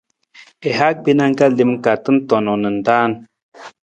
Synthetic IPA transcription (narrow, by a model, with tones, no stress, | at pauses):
ɛ˨ɦa˦k̚bi˦na˦ŋɡa˦li˨mka˨tə˦n˦tɔ˨nɔ˨nə˨n˨da˦n